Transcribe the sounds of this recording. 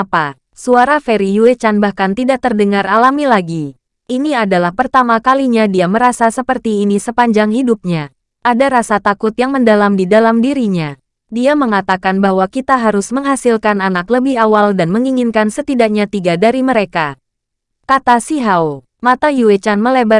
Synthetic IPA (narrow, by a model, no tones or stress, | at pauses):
apa | suaɾafeɾijuet͡ʃanbahkant̪idak̚t̪ərdəŋarʔalamilaɡi | ʔiniadalahpərt̪amakaliɲadiaməɾasasəpərt̪iːnisəpaɲd͡ʒaŋhidup̚ɲa | ʔadaɾasat̪akʊt̪jaŋməndalamdidalamdiɾiɲa | diaməŋat̪akanbaɦwakit̪aɦaɾʊsməŋɦasilkananakləbɪhawaldanməŋiŋinkansət̪idak̚ɲat̪iɡadaɾiməɾeka | kat̪asiɦau | mat̪ajuet͡ʃanməlebə